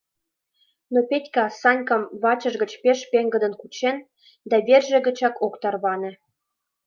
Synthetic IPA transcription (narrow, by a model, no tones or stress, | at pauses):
nopetʲkɑsɑnʲkəmβɑt͡ɕə̆ʒɣə̆t͡ɕpeʃpeŋɡə̆d̪ə̆nkut͡ɕen | d̪ɑβʲerʒĕɣə̆t͡ɕɑkokt̪ɑrβɑnĕ